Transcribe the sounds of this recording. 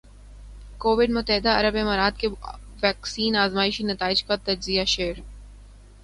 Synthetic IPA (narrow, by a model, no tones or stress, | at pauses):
koːʋɪɖmʊt̪ːəɦɪd̪aɐɾəbemaːɾaːd̪keʋɛːksiːnaːzmaːɪʃinɐt̪aːɪd͡ʒkat̪ɐd͡ʒzijaʃeːɾ